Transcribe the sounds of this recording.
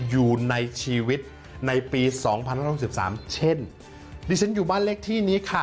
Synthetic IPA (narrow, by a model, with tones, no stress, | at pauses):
juː˨˩na˧jt͡ɕʰiː˧wi˦˥t̪̚ | na˧jpiː˧sɔː˩˦ŋpʰa˧nhaː˥˩sp̚sa̰ː˩˦mt͡ɕʰe˥˩n | diː˧t͡ɕʰa˦˥njuː˨˩baː˥˩nle˦˥˩k̚t̪ʰiː˥˩niː˦˥kʰa˥˩